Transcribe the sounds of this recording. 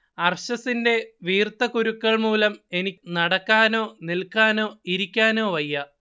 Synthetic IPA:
ɐrɕɐsinde̞ʋiːrt̪ːɐkuɾukːɐɭmuːlɐme̞ninɐɽɐkːaːno̞ːnilkːaːno̞ːiɾikʲːaːno̞ːʋɐjːɐ

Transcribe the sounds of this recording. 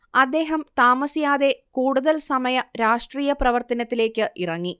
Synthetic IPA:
ɐd̪ːe̞ːɦɐmt̪aːmɐsijaːðe̞kuːɽuðɐlsɐmɐjɐɾaːʂʈriːjɐprɐʋɐrt̪ɐnɐt̪ːile̞ːkʲːɨʔirɐŋːi

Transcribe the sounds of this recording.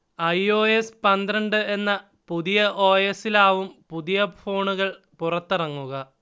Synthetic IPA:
ɐjo̞ːespɐnd̪ɾɐɳɖɨe̞nːɐ | puðijɐʔo̞ːjesilaːʋumpuðijɐfʰo̞ːɳuɣɐɭ | purɐt̪ːirɐŋːuɣɐ

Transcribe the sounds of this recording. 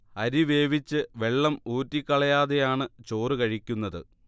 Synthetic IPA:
ɐɾiʋe̞ːʋit͡ɕːɨʋe̞ɭːɐmuːtːikʲːɐɭɐjaːðejaːɳɨt͡ɕo̞ːrɨkɐɻikʲːunːɐðɨ

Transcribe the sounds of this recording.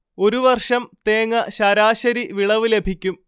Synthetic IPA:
o̞ɾuʋɐrʂɐmt̪e̞ːŋːɐɕɐɾaːɕɐɾiʋiɭɐʋɨle̞bʱikʲːum

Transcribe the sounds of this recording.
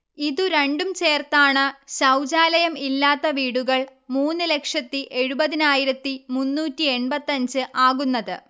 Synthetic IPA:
iðuɾe̞ɳɖumt͡ɕeːrt̪aːɳɨɕɐwd͡ʑaːlɐjɐmilːaːt̪ːɐʋiːɽuɣɐɭmuːnːɨle̞kʂɐt̪ːiʔe̞ɻubɐðinaːjiɾɐt̪ːimunːuːtːie̞ɳbɐt̪ːɐɲd͡ʑɨʔaːɣunːɐðɨ

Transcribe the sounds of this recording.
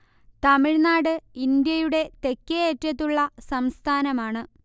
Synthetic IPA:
t̪ɐmiɻnaːɽɨind̪jɐjuɽe̞t̪e̞kːeetːɐt̪̬ːuɭːɐsɐmst̪ʰaːnɐmaːɳɨ

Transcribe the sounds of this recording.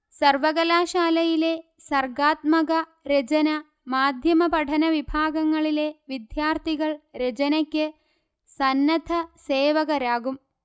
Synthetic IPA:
sɐrʋɐɡɐlaːʃaːlɐjile̞ | sɐrɡaːt̪mɐɣɐ | ɾed͡ʑɐnɐ | maːd̪ʱjɐmɐpɐʈʰɐnɐʋibʱaːɡɐŋːɐɭile̞ʋid̪jaːrt̪ʰiɣɐɭɾed͡ʑɐnɐkʲːɨ | sɐnːɐd̪ʱʰɐseːʋɐɣɐɾaːɡum

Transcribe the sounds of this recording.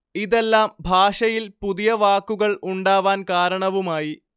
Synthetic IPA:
iðe̞lːaːmbʱaːʂɐjilpuðijɐʋaːkːuɣɐɭuɳɖaːʋaːnkaːɾɐɳɐʋumaːji

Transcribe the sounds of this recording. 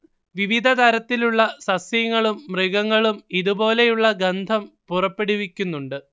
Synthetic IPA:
ʋiʋid̪ʱɐd̪ɐɾɐt̪ːiluɭːɐsɐsjɐŋːɐɭumːriɡɐŋːɐɭumiðubo̞ːle̞juɭːɐɡɐnd̪ʱɐmpurɐpːe̞ɽuʋikʲːunːuɳɖɨ

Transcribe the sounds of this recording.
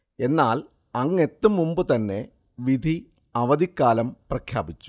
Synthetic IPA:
e̞nːaːl | ɐŋːe̞t̪ːɨmumbɨt̪ɐnːe̞ | ʋid̪ʱi | ɐʋɐd̪ikːaːlɐmprɐkʰja̰ːbit͡ɕːu̥

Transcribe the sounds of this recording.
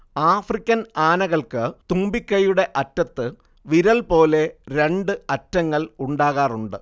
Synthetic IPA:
aːfrikʲːɐnaːnɐɣɐɭkɨt̪umbikʲːɐjuɽe̞ʔɐtːɐt̪ːɨ | ʋiɾɐlpo̞ːle̞ɾe̞ɳɖɨɐtːɐŋːɐɭuɳɖaːɣaːruɳɖɨ

